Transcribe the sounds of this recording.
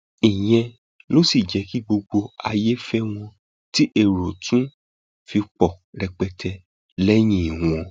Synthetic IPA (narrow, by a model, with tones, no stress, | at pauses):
i˨j̃ɛ̃˧ | lo˦si˦˨d͡ʒɛ˨˦ki˦ɡ͡bo˧ɡ͡bo˧a̰˧je˦fɛ˦w̃ɔ̃˧ | ti˦ʔe˦˨ɾo˨tũ˦ | fi˧k͡pɔ˨ | ɾɛ˧k͡pɛ˧tʰɛ˧ | lɛ˦j̃ĩ˦˨i˨ũ˨ɔ̃˧